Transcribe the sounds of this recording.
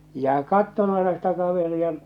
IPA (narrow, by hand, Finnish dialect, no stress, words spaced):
jɑ kɑtːon ɑenɑ sitæ kɑʋeriɑ